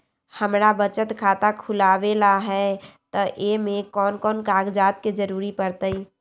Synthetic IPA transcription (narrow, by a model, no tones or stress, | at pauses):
həmɾabət͡ʃət̪kʰaːt̪akʰulaʋelaɦɛt̪ɔʔemẽkɔːnkɔːnkaːɡd͡ʒaːt̪̚ked͡ʒəɾuɾipəɾt̪əi